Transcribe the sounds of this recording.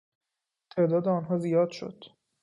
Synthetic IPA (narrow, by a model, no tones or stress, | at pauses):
t̪ʰe̞ʔd̪ɒːd̪eɒːnɦɒːzijɒːd̪̥ʃo̞̰d̪̥